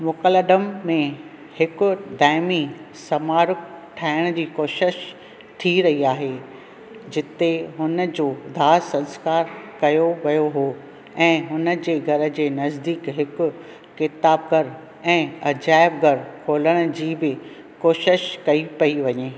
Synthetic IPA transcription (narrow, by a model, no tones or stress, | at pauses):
mʊkələɖəmːẽ | hɪkʊ̆d̪aːɪmi | sɐmaːɾʊk̚ʈʰaːɪɽ̃d͡ʑiːkoːʃɪʃ | t̪ʰiɾɐɦiaːɦe | d͡ʑɪt̪eɦʊnəd͡ʑoːd̪ʱaːsɐ̃nskaːɾkɐjoʋɐjoɦoː | ɛ̃ːɦʊnə̆d͡ʑeːɡʱɐɾə̆d͡ʑeːnɐzd̪iːkɦɪkʊ̆ː | ɪt̪aːbɡʱɐɾ | ɛ̃ːɐd͡ʑaːɪbɡʱɐɾkʰoːləɽ̃d͡ʑiːbɪ | koːʃɪʃkɐipɐiʋɐɲeː